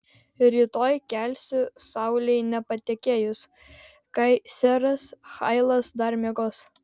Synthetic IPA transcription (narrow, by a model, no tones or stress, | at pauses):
ɾʲiːt̪oːjkʲɛlʲsʲʊsɑˑʊlʲɛɪnʲɛpɐt̪ʲɛkʲeːjʊs | kɐɪsʲɛɾɐsxɐɪlˠɐsd̪ɐɾʲmʲiɡoːs